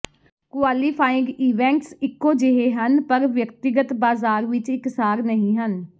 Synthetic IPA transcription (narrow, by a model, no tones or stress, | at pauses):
kʊaːliːpʰaːɪ̃ŋɡiːʋɛ̃ːɳʈsɪkːoːd͡ʒɪɦeːɦənpəɾʋjəkt̪ɪɡət̪baːzaːɾʋɪt͡ʃɪksaːɾnəɦĩːɦən